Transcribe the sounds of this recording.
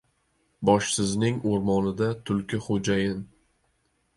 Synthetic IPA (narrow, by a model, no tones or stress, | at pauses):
bɒʃsɪznɪŋoɾmɒnɪd̪at̪ʰʊlˠkʲɪχod͡ʒajɪn